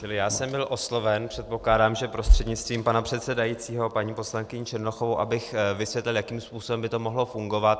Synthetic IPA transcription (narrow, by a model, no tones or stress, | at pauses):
t͡ʃɪlɪjaːsɛmbɪlʔo̞slo̞vɛnpr̝̥ɛt̪̚po̞klaːdaːmʒɛpɾo̞st̪r̥ɛdɲɪt͡st̪viːmpanapr̝̥ɛt̪sɛdajit͡siːɦo̞paɲiːpo̞slaŋkɪɲɪt͡ʃɛɾnoxovowʔabɪxvɪsvjɛt̪lɪljakiːmspuːsobɛmbɪt̪o̞mo̞ɦlo̞fuŋɡo̞vat̪̚